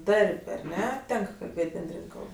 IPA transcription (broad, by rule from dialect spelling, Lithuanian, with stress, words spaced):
ˈdɐrʲpʲ ɐr ˈnʲɛ ˈtʲɛŋk kɐlʲˈbʲeːtʲ bʲɛnʲˈdʲrʲɪnʲ ˈkɐlˠp